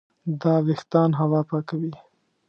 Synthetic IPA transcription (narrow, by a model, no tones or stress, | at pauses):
d̪ɑwɪxt̪ɑnɦawɑpakawi